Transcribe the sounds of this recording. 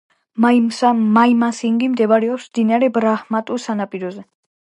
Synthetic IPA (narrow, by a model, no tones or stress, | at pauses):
majmasiŋɡimd̪ɛvaɾɛɔpsmd̪inaɾɛbɾahmat̪ʼusanapʼiɾɔzɛ